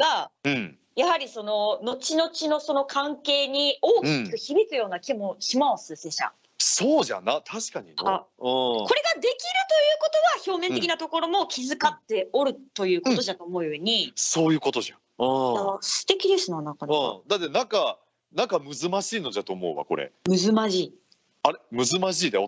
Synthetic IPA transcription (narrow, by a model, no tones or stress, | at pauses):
ɡ̥aɯ̟̃ɴ | jahaɾʲiso̞no̞no̞t͡ɕino̞t͡ɕino̞so̞no̞kʰãŋke̞ːɲ̟ioːkʲii̥kɯ̟çibʲikɨjo̞ːnakʲimoɕimaosɨseɕa̰ | soːʑa̰nat̪ʰaɕi̥kaɲinoaɯ̃ko̞ɾe̞ɡad̪e̞kʲiɾɯ̟t̪o̞jɯ̟ːko̞t̪o̞βaço̞ːmẽnt̪e̞kʲinat̪o̞ko̞ɾo̞mo̞kʲʰizɨkat̪ːe̞o̞ɾɯ̟t̪o̞jɯ̟ːko̞t̪o̞ʑat̪o̞ːmo̞joɲ̟iso̞ːjɯ̟ːko̞t̪o̞ʑa̰ | ɯ̃asɨ̥t̪e̞kʲid̪e̞sɨnanãŋkanɯ̃d̪at̪ːe̞nãŋka | nãŋkamɯ̟zɨmaɕiːno̞d͡ʑat̪o̞ːmo̞̰ːβa̰ko̞ɾḛmɯ̟zɨmaʑiː | aɾemɯ̟zɨmaʑiːd̪eo